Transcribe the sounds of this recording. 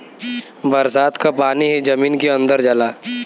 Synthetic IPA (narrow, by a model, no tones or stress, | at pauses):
bɐɾsaːt̪kapaːniɦɛd͡ʒɐmiːnkiɐ̃nd̪əɾd͡ʒəlaː